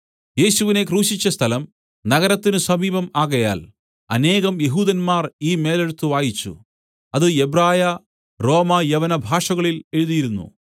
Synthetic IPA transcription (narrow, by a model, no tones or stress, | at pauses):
je̞ːɕuʋine̞kruːɕit͡ɕːɐst̪ʰɐlɐm | nɐɣɐɾɐt̪ːinɨsɐmiːbɐmaːɣɐja̰ːl | ɐne̞ːɣɐmje̞ɦuːðɐnmaːriːme̞ːle̞ɻut̪ːuʋaːjit͡ɕːṵ | ɐðɨe̞braːjɐ | ro̞ːmɐjɐʋɐnɐbʱaːʂɐɣɐɭile̞ɻuðijiɾunːṵ